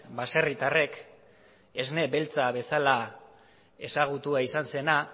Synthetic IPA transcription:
base̞rit̪are̞k | e̞zne̞be̞lt͡saβe̞sala | e̞saɣ̞ut̪uaisanse̞na

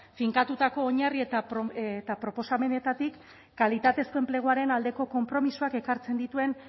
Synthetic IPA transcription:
fiŋkat̪ut̪ako̞ːɲariet̪apot̪apɾo̞po̞same̞ne̞t̪at̪ikː | alit̪at̪e̞skue̞mple̞ɣ̞uaɾe̞nald̪e̞ko̞ko̞mpɾo̞misuake̞kaɾt͡se̞nd̪it̪ue̞n

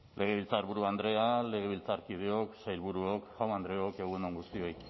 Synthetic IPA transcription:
lʔe̞ɣ̞e̞β̞ilt͡saɾβuɾuand̪ɾe̞ale̞ɣ̞e̞βilt͡saɾkiðeo̞ksajlβuɾuokʝawnand̪ɾe̞oke̞ɣ̞unoŋɡust̪io̞j

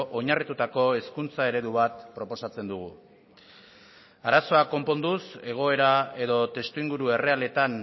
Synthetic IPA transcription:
ʔo̞ɲarit̪ut̪ako̞e̞skunt͡sae̞ɾe̞ðuβat̪pɾo̞po̞sat͡se̞nd̪uɣ̞u | aɾaso̞ako̞mpo̞nd̪use̞ɣ̞o̞e̞ɾae̞ðo̞t̪e̞st̪uiŋɡuɾue̞re̞ale̞t̪an

